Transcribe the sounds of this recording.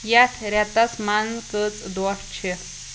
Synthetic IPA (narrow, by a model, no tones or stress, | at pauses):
jat̪ʰɾat̪ɐsmanzkət͡sd̪ɔʂt͡ɕʰe